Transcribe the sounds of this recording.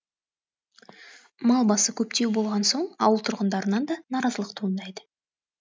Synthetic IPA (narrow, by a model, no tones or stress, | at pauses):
mɑlˠbɑsəkʲʰɵpt̪e̞wbo̞lˠʁɑnso̞ɴɑ̰wəlˠt̪ʰʊɾʁənd̪ɑɾənɑnd̪ɑnɑɾɑzəlˠəqt̪ʰuənd̪ɑjd̪ə